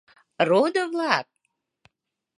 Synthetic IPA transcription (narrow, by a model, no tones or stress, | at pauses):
rod̪əvlɑk̚